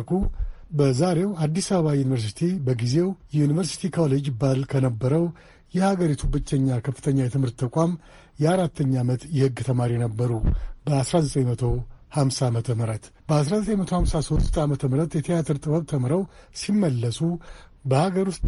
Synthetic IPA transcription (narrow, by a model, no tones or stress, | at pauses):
kʰubəzaɾe̞wad̪ːisaβəβajunivəɾs̬i̥t̪ʰibəɡize̞wjɛunivəɾsi̥t̪ʰikʰoled͡ʒbalkʰənəbːəɾəw | jɛhaɡəɾit̪ʰubɨt͡ʃːɛɲːakʰəfːɨ̥t̪ʰəɲːajɛt̪ʰɨmhɨɾt̪ʰːəkʼam | jɛaɾat̪ːəɲːamət̪jɛhɨɡːt̪ʰəmaɾijnəbːəɾubəasɾazət̪ʼəɲmət̪ʰo̞hamsamət̪ʰəməɾət̪ | b̥əasɾazət̪ʼəɲmət̪ʰo̞hamsaso̞t̪ʼamət̪ʰəmɾət̪jɛt̪ʰijat̪ʰɨɾt̪ʼɨbəβt̪ʰəmɾəw | simːəlːəsʼu | bəhaɡəɾust̪